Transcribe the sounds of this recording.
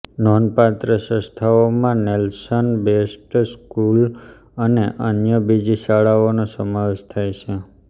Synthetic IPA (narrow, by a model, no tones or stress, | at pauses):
nɔnpat̪ɾəsə̃st̪ʰaomãnelsənbesʈskul | əneʔənjəbid͡ʒiʃaɭaonosəmaʋeʃt̪ʰajt͡ʃʰe